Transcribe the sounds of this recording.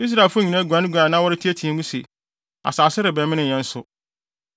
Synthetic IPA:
i˦s̬ɾa˨lfʊ˦˨ɲĩ˨nã˦ɡʷu˨ã˨nɪ̃˦ɡʷã˨nãː˦wɔ˦ɾɪ˦tʰi˦æ˦tʰi˨ɛ̃˦ŋũ˦sḛ˨ | a̰˨saː˨sɪ˦ɾɪ˨bɛ˨mɪ̃˦nɪ̃˦˨ɲɛ̃˦n̩˦sʊ˨

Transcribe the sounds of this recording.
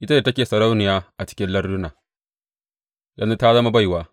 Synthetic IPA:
ʔɪ˦ta˦da˨tɐ˦kʲeː˨sɐ˨ɾa˦wnɪ˨jaː˦ʔa˨t͡ʃɪ̥˦kʲɪ˦nlɐ˦rdʊ˦naː˨ | dɐ˦nu˦ta˦zɐ˦ma˦ba˦jwaː˦

